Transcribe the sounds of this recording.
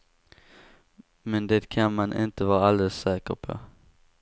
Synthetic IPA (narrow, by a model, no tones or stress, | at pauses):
mɛnd̪ɛt̪kʰanmanʔɪ̰nt̪əvɑːɾaald̪ɛlsːɛːkə̰ɾpʰo̰